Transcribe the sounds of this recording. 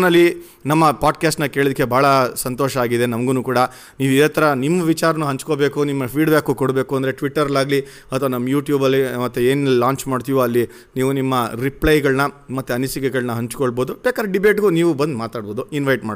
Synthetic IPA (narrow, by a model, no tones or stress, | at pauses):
nɐlːi | nɐmːɐpaːɖkjaːsʈnɐke̞ːɭid̪ikːe̞bʱaːɭɐsɐnt̪ɔːʃɐaːɡid̪e̞nɐmɐɡunuːkuːɽɐ | niːʋid̪ɐt̪ːɐɾɐnimːɐʋit͡ʃaːɾɐnuɦɐɲt͡ʃkobe̞ːkunimːɐpʰiːɖbjaːkukɔɽbe̞ːkuɐnd̪ɐɾe̞ʈʋiʈːɐɾɐlaːɡli | ɐt̪ʰːʋɐnɐmːɐjuːʈjuːbɐlːimɐt̪ːeeːnlaːɲt͡ʃmaːɖt̪iːʋoɐlːi | niːʋunimːɐɾipɭɐjɡɐɭnɐmɐt̪ːeɐnisikɛɡɐɭnɐɦɐɲt͡ʃkoɭbo̞ːd̪ubeːkaːd̪ɾeɖibe̞ːʈɡuniːʋubɐnd̪maːt̪aːɽboːd̪uinʋɐjʈmaː